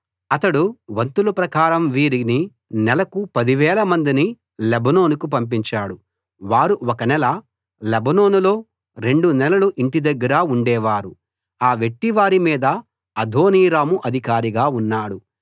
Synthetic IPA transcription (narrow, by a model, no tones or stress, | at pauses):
ɐt̪ɐɽuʋɐnt̪ulɐpɾɐkaːɾɐmʋiːɾini | nɛlɐkupɐd̪iʋɛːlɐmɐnd̪ini | lebɐno̞ːnukup̬ɐmp̬iɲt͡ʃaːɽu | ʋaːɾuɔkɐnɛlɐ | lebɐno̞ːnulo̞ː | ɾe̞ɳɖunɛlɐluʔiɳʈid̪ɐɡːɐɾaːuɳɖɛːʋaːɾu | aːʋe̞ʈːiʋaːɾimiːd̪ɐː | d̪ʱoːniːɾaːmuʔɐd̪ʱikaːɾiɡaːunːaːɽu